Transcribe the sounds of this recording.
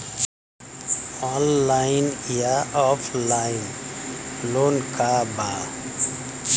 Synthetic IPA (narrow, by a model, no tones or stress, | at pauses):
ɔnlːajinjaɔpʰlaɪn | lonkaba